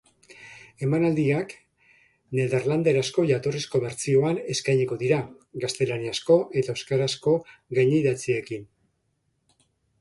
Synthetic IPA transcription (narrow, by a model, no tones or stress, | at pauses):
e̞manald̪iak | ne̞ðeɾland̪e̞ɾasko̞ʝat̪orisko̞βe̞ɾt͡sio̞ane̞skajɲiko̞ðiɾa | ɡast̪e̞laniasko̞ʔe̞t̪aeskaɾasko̞ɡajɲiðat͡sie̞kin